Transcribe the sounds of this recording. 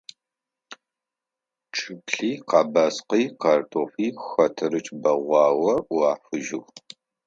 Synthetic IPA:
ʈ͡ʂʼɨbɬiːqɑːbaːsqijqartʰoːfiːxɐtʰɨɾɨt͡ʃʼbɐʁʷɑːwɐʔwaːfɨʒɪw

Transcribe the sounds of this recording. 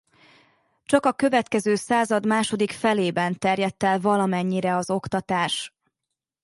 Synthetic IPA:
t͡ʃɒkɒkø̞vɛt̪kɛzøːsaːzɒd̪maːʃo̞d̪ikfɛleːbɛnt̪ɛrjɛt̪ːɛlvɒlɒmɛɲːiɾɛɒzo̞kt̪ɒt̪aːʃ

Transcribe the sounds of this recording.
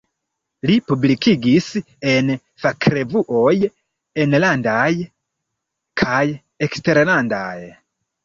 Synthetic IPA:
lipublikiɡis | en | fakɾevuʔoj | enlandaj | kʰaj | ekste̞ɾlanda̰j

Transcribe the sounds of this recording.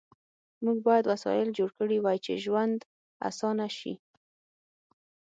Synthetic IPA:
muɡ̚bɑjad̪wasɑ̰jɪld͡ʒoɽkəɽiwajt͡ʃḛʒwand̪ | a̰sɑnaʃḭ

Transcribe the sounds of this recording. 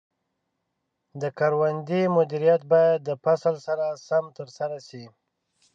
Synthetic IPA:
d̪əkaɾwand̪imʊd̪iɾijat̪̚bɑjad̪ːəpasalsaɾasamt̪əɾsaɾasi

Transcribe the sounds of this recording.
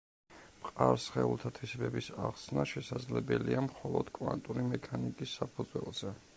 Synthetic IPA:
mqʼaɾsχɛulˠt̪ʰat̪ʰwisbɛbisaχsnaʃɛsad̪zlɛbɛliamχɔlˠɔd̪̥kʼvant̪ʼuɾimɛkʰanikʼisːapʰud̪zwɛlˠz̥ɛ

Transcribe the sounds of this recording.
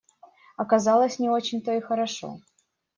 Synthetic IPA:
ɐkɐzɑlˠəsʲnʲɪo̞t͡ɕɪnʲt̪oixəɾɐʂo̰

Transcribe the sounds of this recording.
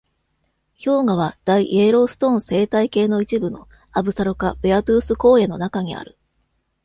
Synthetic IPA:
ço̞ːŋaβ̞ad̪̥aiʔeːɾo̞ːsɨ̥t̪õ̞ɰ̃se̞ːt̪aike̞ːno̞it͡ɕibɯ̟no̞ | abɯ̟saɾo̞kabɯat̪ɯːsɨko̞ːe̞no̞nakaɲ̟ia̰ɾɯ̟

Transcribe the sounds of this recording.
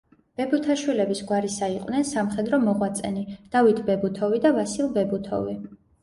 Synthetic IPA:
b̥ɛbut̪ʰaʃwilɛbisɡwaɾisaiqʼwnɛnsamχɛd̪ɾɔmɔʁwat̪sʼɛnid̪̥avit̪ʰbɛbut̪ʰɔvid̪avasilˠbɛbut̪ʰɔ̰vi

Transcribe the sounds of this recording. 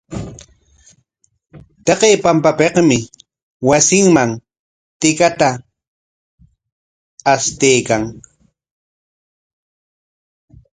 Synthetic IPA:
t̪ɑqeːpampapeqmɪ | wasɪŋmaŋ | t̪ɪkat̪a | st̪ejkaŋ

